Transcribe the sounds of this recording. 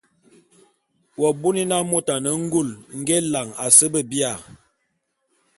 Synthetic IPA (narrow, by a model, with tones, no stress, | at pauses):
wɔ˨bu˦ni˦na˦mo˦ta˨nə˨˦ŋ̩˦ɡu˦˨lŋ̩˦ɡe˦la˨ŋa˨sə˦bə˦bi˦a˨